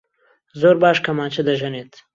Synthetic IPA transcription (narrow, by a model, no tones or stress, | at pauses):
zoːɾbɑːʃkɐmɑːt͡ʃɐd̪ɐʒɐnet̪